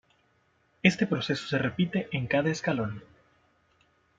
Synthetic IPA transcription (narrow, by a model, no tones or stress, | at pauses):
e̞st̪e̞pɾo̞se̞so̥serepit̪eʔeŋkaðaeskalo̞n